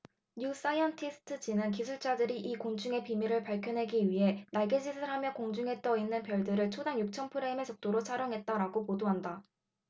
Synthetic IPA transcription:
ɲus͈aiʌntʰisʰɯ̥tʰɯd͡ʑinɯnk̬isʰuɭt͡ɕ͈adɯɾiʔikont͡ɕʰuŋe̞pimiɾɯɭpaɭkʰjʌnɦe̞ɡiɥiɦe̞naɭɡed͡ʑisʰɯɭɦamjʌkoŋd͡ʑuŋɦe̞t͈ʌinːɯnpjʌɭdɯɾɯɭt͡ɕʰodaŋjuk̚t͡ɕʰʌnpʰɯɾe̞me̞t͡ɕʌk̚t͈oɾot͡ɕʰaɾjʌŋɦe̞t̚t͈aɾaɡopodoɦanda

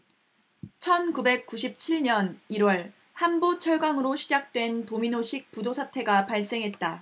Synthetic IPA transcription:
t͡ɕʰʌnkube̞k̚k͈uɕ̬ʰip̚t͡ɕʰiɭɲʌniɾwʌɭ | hambot͡ɕʰʌɭɡaŋɯɾoɕʰid͡ʑak̚t͈we̞ntominoɕʰik̚pudosʰatʰe̞ɡapaɭs͈e̞ŋɦe̞t̚t͈a

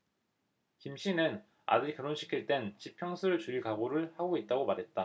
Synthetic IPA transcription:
kimɕ͈ʰinɯn | a̰dɯɾikɯɾonɕʰi̥kʰiɭt͈e̞nt͡ɕipʰjʌŋsʰɯɾɯɭt͡ɕuiɭkaɡoɾɯɭhaɡoit̚t͈aɡomaɾɦe̞t̚t͈a

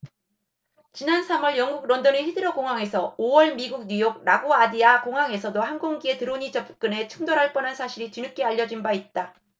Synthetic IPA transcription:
t͡ɕinansʰamwʌɭjʌŋɡuɡ̚ɾondʌnehidɯɾʌkoŋɦwaŋe̞sʰʌowʌɭmiɡuɡ̚ɲujoɡ̚ɾaɡoadiakoŋɦaŋe̞sʰʌdohanɡoŋɡie̞tɯɾoɲit͡ɕʌp͈ʰɯ̥k͈ɯne̞t͡ɕʰuŋdoɾɦaɭp͈ʌnɦansʰaɕʰiɾit͡ɕuɲuk͈e̞aʎːʌd͡ʑinbait̚t͈a

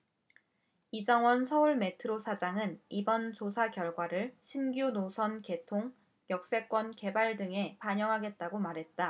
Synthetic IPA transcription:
id͡ʑʌŋwʌnsʰʌuɭme̞tʰɯɾosʰad͡ʑaŋɯnibʌnt͡ɕosʰakjʌɭɡwaɾɯɭɕʰinɡjunosʰʌnke̞tʰoŋ | jʌk̚s͈e̞k͈wʌnke̞baɭdɯŋe̞paɲjʌŋɦaɡe̞t̚t͈aɡomaɾɦe̞t̚t͈a

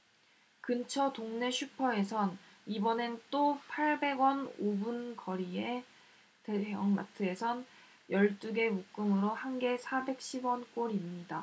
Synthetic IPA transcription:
kɯnt͡ɕʰʌtoŋne̞ɕʰɥupʰʌe̞sʰʌn | ibʌnent͈opʰaɭbe̞ɡwʌnobunkʌɾie̞ | te̞jʌŋma̰tʰɯe̞sʰʌn | jʌɭt͈uɡe̞muk͈ɯmɯɾohanɡe̞sʰabe̞k̚ɕ͈ʰibwʌnk͈oɾimɲida

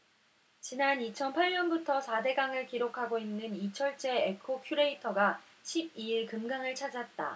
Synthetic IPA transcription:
t͡ɕinanit͡ɕʰʌnpʰaɭɲʌnbutʰʌsʰade̞ɡaŋɯɭkiɾokʰaɡoinːɯnit͡ɕʰʌɭt͡ɕ͈e̞ekʰokʰjuɾe̞itʰʌɡa | ɕʰib̚iiɭkɯmɡaŋɯɭt͡ɕʰad͡ʑat̚t͈a̰

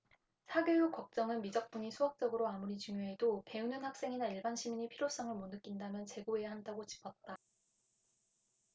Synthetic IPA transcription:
sʰaɡjejuk͈ʌk̚t͡ɕ͈ʌŋɯnmid͡ʑʌk̚p͈uɲisʰuɦak̚t͡ɕ͈ʌɡɯɾoamuɾit͡ɕuŋjoɦe̞dope̞unɯnhak̚s͈e̞ŋinaiɭbanɕʰimiɲipʰiɾjos͈ʌŋɯɭmonɯk͈indamjʌnt͡ɕe̞ɡoe̞jaɦandaɡot͡ɕi̥pʰʌt̚t͈a

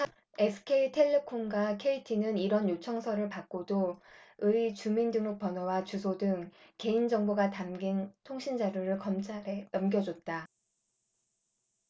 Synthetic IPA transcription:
esʰɯ̥kʰeitʰe̞ɭːe̞kʰomɡwakʰe̞itʰinɯniɾʌnjot͡ɕʰʌŋsʰʌɾɯɭpak̚k͈odoɯit͡ɕumindɯŋok̚p͈ʌnowat͡ɕusʰodɯŋke̞ind͡ʑʌŋboɡatamɡintʰoŋɕʰind͡ʑaɾjoɾɯɭkʌmt͡ɕʰaɾenʌmɡjʌd͡ʑot̚t͈a

